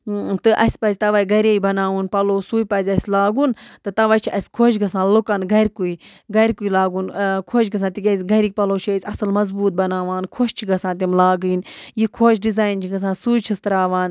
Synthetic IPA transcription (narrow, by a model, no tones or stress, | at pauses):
t̪ɨʔɐ̰sʲpɐzʲt̪ɐʋɐːjɡɐɾeːjbɐnaːʋunpɐloːsuːjpɐzʲɐsʲlaːɡunt̪ɨt̪ɐʋaːjt͡ʃʰiɐsʲkʰoːʃɡɐsãːlukɐnɡɐɾʲkuiɡɐɾʲkuilaːɡunkʰoːt͡ʃɡɐs̬ãːt̪iɡʲɐzʲɡɐɾik̚ʲpɐloːt͡ʃʰisʲɐsɨlmɐzbuːt̪̚bɐnaːʋaːnkʰoʃt͡ʃʰiɡɐsãːt̪̬imlaːɡɨnjikʰoːt͡ʃɖizaːjnt͡ʃʰiɡɐs̬ãːsuːjt͡ʃʰist̪ɾaːʋaːn